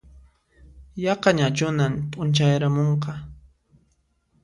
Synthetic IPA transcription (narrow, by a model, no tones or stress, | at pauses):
jɑqɑɲat͡ʃʊnamtʼʊnt͡ʃajɾamoɴqɑ